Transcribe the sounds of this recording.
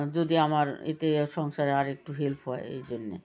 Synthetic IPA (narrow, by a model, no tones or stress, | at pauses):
d͡ʑod̪iamaɾḛt̪eʃɔŋʃaɾeaɾek̚ʈuɦelpɦɔeḛjd͡ʑonːḛ